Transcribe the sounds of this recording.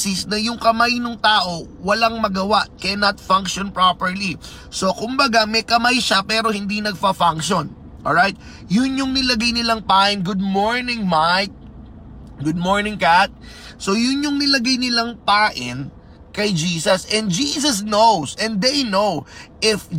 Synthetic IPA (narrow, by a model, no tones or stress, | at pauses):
sisnɐjʊŋkɐmajnʊŋt̪aːʔo̞ | wɐlaŋmɐɡɐwaʔkɛnɐt̪fɐ̃ŋkʃonpɹapɛɹli | so̞kʊmbɐɡamɛkɐmajʃapɛːɾo̞hɪnd̪inɐɡ̚fɐfaŋkʃon | ʔoɹajt̪̚ | jʊnjʊŋnɪlɐɡajnɪlaŋpaːʔɪnɡʊd̪̚moɹnɪ̃ŋmajk̚ | ɡʊd̪̚moɹnɪ̃ŋkat̪̚ | so̞jʊnjʊŋnɪlɐɡajnɪlaŋpaːʔɪn | kɐjd͡ʒiːsɐsʔɛ̃nd̪̚d͡ʒiːs̬ɐsnowsʔɛ̃nd̪d̪ejnowʔɪf